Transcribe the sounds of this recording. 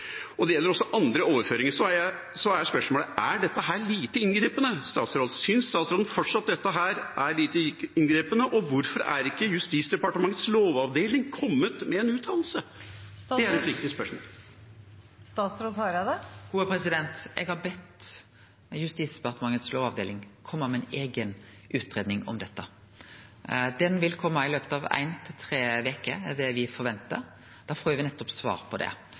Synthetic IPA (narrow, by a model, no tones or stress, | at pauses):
ɔd̪ɛjɛlːəɾɔsːɔʔɑnd̪ɾəoːʋəɾføːɾɪŋəʂɔæj | sɔæɾjspœʂmoːləʔæɖɛt̪ːəɦæːɾɭiːt̪əɪnɡɾiːpənəst̪ɑːt̪sɾoːd̪sʏnsst̪ɑːt̪sɾoːd̪ən̩fɔʈʂɑt̪̚d̪ɛt̪ːəɦæːɾʔæɾɭiːt̪əɪnɡɾiːpənəʔɔʋʊɾfɔɾæ̰ɾɪkːəjʉst̪iːt̪sd̪ɛpɑʈəmɑŋːət̪sloːʋɑʋd̪eːlnɪŋkʰɔmːət̪mɛɛnʉːt̪ʰɑːll̩səd̪ɛæɾɛt̪ʋɪkt̪ɪspœʂmo̰ːl | st̪ɑːt̪sɾʊt̪ʰɑɾɑd̪ɛɡ̥uːəpʰɾɛsɪd̪ɛnt̪ʔɛ̰ɡhɑɾbɛt̪ | jʉst̪iːsd̪ɛpɑʁt̪əmɑŋːət̪sloːʋɑʋd̪eːlɪŋkʰɔmːəmɛneːɡən | ʔʉːt̪ɾeːd̪nɪŋɔ̰md̪ɛt̪ːə | d̪ɛnʋɪlkʰɔmːəɪløːpət̪ɑʋæ̰ɪnt̪ʰɪlt̪ʰʁeːʋeːkəɛd̪ɛʋɪfɔɾʋɛnt̪ə | d̪̥ɑːfoːɪʋɪnɛt̪ːɔpsʋɑ̰ːɾpʰɔd̪ɛ̰